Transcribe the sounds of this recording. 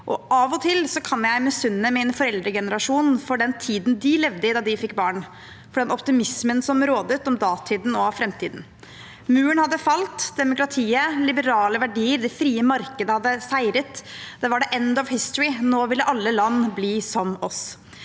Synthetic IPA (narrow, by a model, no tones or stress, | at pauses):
ʔɔʔɑʋɔt̪ʰɪlsɔkʰɑnjæɪmɛsʉnːəmɛɛnfɔɾɛld̪ɾəɡɛnəɾɑʂuːnfɔɖɛnt̪ʰiːd̪n̩d̪ɪlɛʋd̪əɪd̪ɑːd̪ɪfɪkːbɑːɳ | fɔɖɛnʔɔpt̪ɪmɪsmənsɔmɾoːd̪ət̪ɔmd̪ɑːt̪ʰiːd̪n̩ɔfɾɛmt̪ʰiːd̪n̩ | mʉːəɳhɑd̪ːəfɑlt̪d̪ɛmʊkɾɑt̪ʰiːəlɪbəɾɑːləʋæɖiːəɾd̪ɛfɾiːəmɑɾkəd̪əhɑd̪ːəsæɪɾət̪d̪̥ɛʋɑɖɛʔɛnd̪ɔʋhɪst̪ɹɪnoːʋɪlːəʔɑlːəlɑnːbliːsɔmɔs